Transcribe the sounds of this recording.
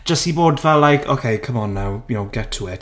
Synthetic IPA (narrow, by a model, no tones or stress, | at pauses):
d̥d͡ʒ̥əstiboːdvɛlːajkʰo̰kʰejkʰəmɔnːawmiɔwɡɛtʰuɛt